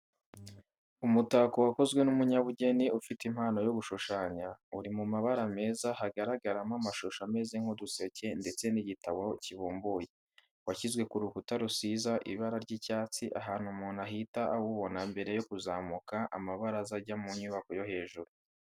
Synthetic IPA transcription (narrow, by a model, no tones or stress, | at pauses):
umutaːkowako̞zɡwe̞numuɲaβuɟe̞niufitim̥haːno̞joβuʃuʃaːɲauɾimumaβaɾame̞ːzahaɡaɾaɡaɾamamaʃoʃameziŋ̥hodusece̞nde̞t͡se̞niɟitaβo̞ciβuːmbuje | waçizɡwe̞kuɾukutaɾusizaʔḭβaɾaɾɟicaːt͡siʔaɦaːn̥humuːnaɦitaʔahuβo̞nambe̞ɾe̞jo̞kuzaːmukaʔa̰maβaɾazaɟamuɲuβako̞jo̞ɦe̞ːʒuɾu